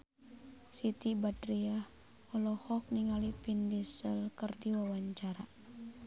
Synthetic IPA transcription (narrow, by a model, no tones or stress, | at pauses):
sit̪ibadɾiah | ɔlɔhɔk̚niŋalipindisəlkərdiwawaɲt͡ʃaɾa